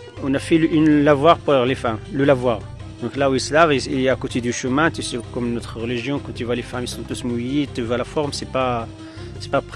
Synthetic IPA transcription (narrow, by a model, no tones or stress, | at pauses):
ɔ̃nafɛlʔynlavwaʁpuɛʁlefamləlavwaʁ | d̪ɔ̃klauisəlaviilɛakot̪ed̪yʃəmɛ̃t̪ysɛkɔmnɔt̪χəʁəliʒjɔ̃kɑ̃t̪yvwalefamisɔ̃t̪usmujet̪yvwalafɔʁmsɛpa | sɛ̥pap